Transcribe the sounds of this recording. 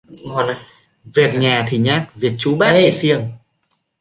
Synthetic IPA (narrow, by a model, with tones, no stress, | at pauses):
ŋɔ˧˩n˧ | vi˨˩ək̚ɲaː˨˩t̪ʰi˨˩ɲaː˦˥k̚vi˨˩ət̚t͡ɕu˨˦ɓaː˦˥e˧˩si˧əŋ